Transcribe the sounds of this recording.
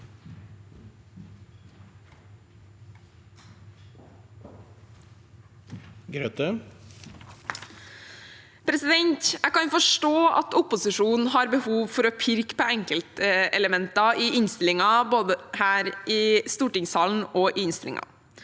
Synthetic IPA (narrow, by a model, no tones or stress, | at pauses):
ɡɾøt̪ə | pɾɛsɪd̪ɛnt̪ækɑnjfɔʂʈoːɑ̰t̪ʊpʊsɪʂuːnn̩ɦɑɾbəhuːʋfɔɾɔːpʰɪɾkpʰɔɛŋkəlt̪əɛləmɛnt̪ɑɪɪnst̪ɪlɪŋɑboːd̪əhæːɾʔɪst̪uːʈɪŋsɑːln̩oːʔɪɪnst̪ɪlɪ̰ŋʔɑ̰